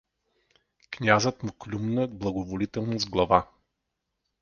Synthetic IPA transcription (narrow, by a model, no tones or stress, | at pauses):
knʲazət̪mʊklʲumnəblˠɐɡovolit̪ɛlˠnozɡlˠɐva